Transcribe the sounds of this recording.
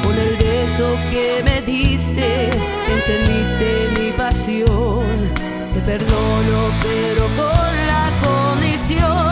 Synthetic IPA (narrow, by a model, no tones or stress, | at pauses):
konelβesokemeðist̪e | kent̪end̪ist̪emipasjoŋ | t̪epeɾðonopeɾokonlakonisjo